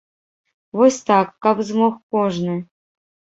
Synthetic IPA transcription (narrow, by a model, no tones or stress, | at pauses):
vosʲt̪ɑkːɑpzmoxkoʐnɨ